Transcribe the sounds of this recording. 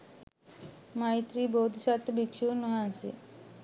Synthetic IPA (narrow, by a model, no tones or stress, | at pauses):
majt̪ɾibowd̪ʱʃat̪bikʃunoɦansḭ